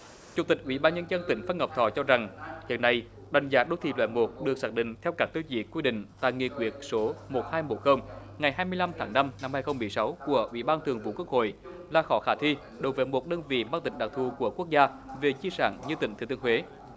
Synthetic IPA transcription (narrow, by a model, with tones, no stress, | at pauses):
t͡ɕu˨˧˩ŋ͡mt̪ï˨˩k̟̚ʔwḭ˧˩˦ɓaː˧nɲə˧nzə˧nt̪ï˧˩˦ŋ̟fa˧nŋə˨˩wp̚t̪ʰɔ˧˨˩t͡ɕɔ˧za˨˩ŋzə̰˨˩nːa˧˩j | ɗa˨˩jŋ̟zaː˨˦ɗo˨˦jt̪ʰḭ˨˩lwɛ̰˧˨˥nmo˨˩t̚ɗɨ˨˩ək̚saː˦˥ɗḭ̈˧˨ŋ̟t̪ʰɛ˧wkaː˦˥k̚t̪o˧zḭ˨˩kwi˧ɗḭ̈˧˨ŋ̟t̪a̰ː˧˨jŋḭ˧˨kwi˨˧˩ət̚so˨˦mo˨˩t̚haː˧jmo˨˩t̚xəː˧wŋ͡mŋa˨˩jɦaː˧jmɨ˧əjla˧mt̪ʰaː˨˦ŋna˧mna˧mhaː˧jxə˧wŋ͡mmːɨ˨˩əjsa˨˦wku˧˩əʔwḭ˧˩ɓaː˧nt̪ʰɨ˨˩əŋvṵ˧˨˦ku˦˥ək̚ho̰˧˨j | laː˨˩xɔ˧˦xaː˧˩t̪ʰi˧ | ɗo˨˩wvḛ˧˨˦nmo˨˩t̚ɗəː˧nvḭ˧˨maː˧ŋt̪ï˨˩ŋ̟ɗa˨˩t̪ʰu˨˩ku˧˩əku˦˥ək̚zaː˧ | ve˨˩t͡ɕi˧sa̰ː˧˩ŋɲɨ˧t̪ï˧˩ŋ̟t̪ʰːt̪ɨ˧əŋhwe˨˦